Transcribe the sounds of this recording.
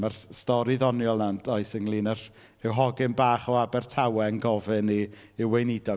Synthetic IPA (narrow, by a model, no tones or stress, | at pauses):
marstɔɾiðɔnjɔlˠnandʰɔɨsəŋlˠiːnər̥ | r̥ɪwɦɔɡɪmbaːχɔabɛrtʰawɛnɡɔvɨniːwejnɪdɔ